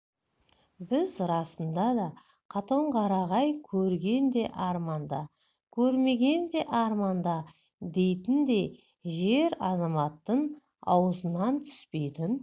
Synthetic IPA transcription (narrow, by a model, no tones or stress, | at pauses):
bɪzɾɑsənd̪ɑd̪ɑ | qʰɑt̪o̞ɴqʰɑɾɑʁɑjkʲʰɵɾɡʲe̞nd̪e̞ʔɑɾmɑnd̪ɑ | kʲʰɵɾme̞ɡʲe̞nd̪e̞ʔɑɾmɑnd̪ɑ | d̪e̞jt̪ɪnd̪e̞ | ʒe̞ɾɑzɑmɑt̪ːəɴ | ɑ̰wəzənɑnt̪ʰʏ̥spe̞jd̪ɪn